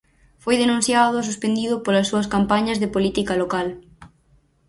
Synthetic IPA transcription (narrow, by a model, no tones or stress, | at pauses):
fojðenũn̟θjaðʊs̬uspend̪iðʊpolɐsːuɐskampaɲɐzðepolit̪ikɐlokal